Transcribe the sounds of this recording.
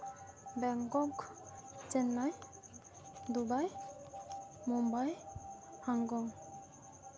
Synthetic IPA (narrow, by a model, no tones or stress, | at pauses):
bɛŋkɔk | t͡ʃɛnːaj | d̪ubaj | mɔmbajhaŋɡɔŋ